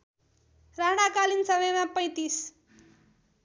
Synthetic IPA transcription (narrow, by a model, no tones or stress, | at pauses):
ɾaːɳ̃akaːlinsəməjmãpə̃j̃t̪iːs